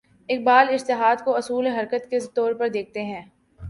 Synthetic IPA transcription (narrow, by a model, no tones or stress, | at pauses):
ɪk̚baːlɪd͡ʒt̪ɪɦaːd̪koɐsuːleɦɐɾkət̪ket̪ɔːɾpɐɾd̪eːk̚ʰt̪eɦɛ̃ː